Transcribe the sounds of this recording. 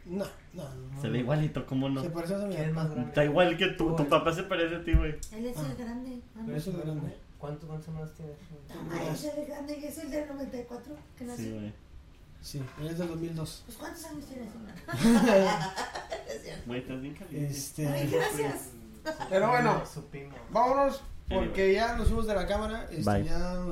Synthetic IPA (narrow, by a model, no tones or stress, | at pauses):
na | nasseβeiwalit̪okomonosepaɾes̬jseemazt̪aiwalket̪ut̪upapas̬epaɾes̬et̪iweeesɣɾand̪eesezɣɾand̪e | kwant̪okwant̪osemanast̪jene | eleɣɾand̪eeseld̪enoβent̪ajkwat̪ɾokeniwe | sielezðed̪ozmild̪osposkwant̪o̥saɲost̪jeneseman | esewejt̪aðiŋkaest̪easɾis | peɾoβwenosupimobamonospoɾkeʝalosimozðelakamaɾaʔesbaja